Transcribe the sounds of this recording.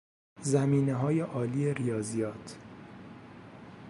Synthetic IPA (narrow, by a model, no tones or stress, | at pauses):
zæmiːneɦɒːje̞ʔɒːliːeɾijɒːzijɒːt̪ʰ